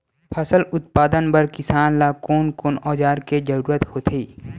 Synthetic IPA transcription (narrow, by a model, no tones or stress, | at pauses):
pʰɐsəlʊt̪̚paːd̪ənbəɾkɪsaːnlaːkoːnkoːnɔːd͡ʒaːɾked͡ʒəɾuːɾət̪hoːt̪ʰeː